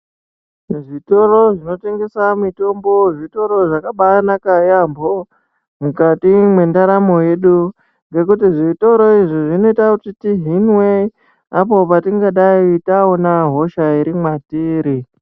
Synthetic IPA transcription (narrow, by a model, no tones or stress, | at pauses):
ʐito̞ro̞ʐino̞te̞ŋɡe̞samito̞mbo̞ʐito̞ɾo̞ʐakaɓanakajambo̞ | mukatimwe̞ndaɾamo̞je̞ɗu | ŋɡe̞kutiʐito̞ɾo̞iʐiʐino̞itakutitiɦinwe | apo̞patiŋɡaɗaitaonaɦo̞ʃaiɾimwatiːɾi